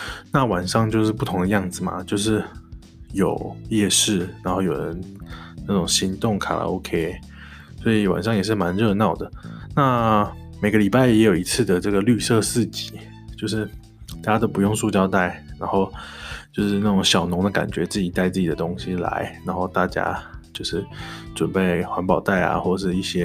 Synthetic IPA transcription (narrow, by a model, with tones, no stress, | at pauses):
na˥˩wa˨˩nʂɑ˥˧ŋt͡ɕjo˥˧ʊʂɻ̩˥˧pu˥˩t̪ʰʊ˧˥ŋd̪ə˧jɑ˥˩ŋd͡zɹ̩˨˩ma̰˨˩t͡ɕjo˥˧ʊʂ̬ɻ̩˥˩ | jo˨˩ʊjɛ˥˧ʂɻ̩˥˩na˧˥nxo˥˩ʊjo˨˩ɻə̰˦nna˥˩ʈ͡ʂʊ˨˩ŋɕi˧˥ŋt̪ʊ˥˩ŋkʰa̰˨˩la̰˧˥o̰˧˥kʰe˥ɪ | swɔ˧˥i˨˩wa̰˨˩nʂ̬ɑ˥˩ŋjɛ˨˩ʂ̬ɻ̩˥˩ma˧˦nɻɤ˥˧nɑ˥˩ʊd̪ə˩na˥˩ | me˨˩ɪɡə˧li˨˩pa˥˩ɪjɛ˧˥jo˨˩i˧˥t͡sʰɹ̩˥˩d̪ə˩ʈ͡ʂɤ˥˩ɡə˩ly˥˧sɤ˥˧sɹ̩˥˩t͡ɕi̥˨˩˦ | t͡ɕjo˥˧ʊʂɻ̩˥˩ | t̪a˥˩t͡ɕja˥t̪o˥ʊpu˧jʊ˥˧ŋʂu˥˧t͡ɕjɑ˥˧ʊt̪a˥˩ɪna˧˥nxo˥˧ʊt͡ɕjo˥˧ʊʂɻ̩˥˧na˥˩ʈ͡ʂʊ˨˥˦ŋɕjɑ˨˩ʊnʊ˧˥ŋd̪ə˧ka̰˨˩nt͡ɕɥɛ˧˥t͡sɹ̩˥˩t͡ɕi˨˩t̪a˥˧ɪt͡sɹ̩˥˩t͡ɕi˨d̪ə˦t̪ʊ˥ŋɕi˧la̰˧˦ɪna˧˥nxo˥˧ʊt̪a˥˩t͡ɕja̰˥t͡ɕjo˥˧ʊʂɻ̩˥˩ʈ͡ʂə˨˩npe˥˩ɪxwa˧˥npɑ˨˩ʊt̪a˥˩ɪa̰˨˩xwɔ˥˩˨ʂɻ̩˥˧i˥˩ɕjɛ˥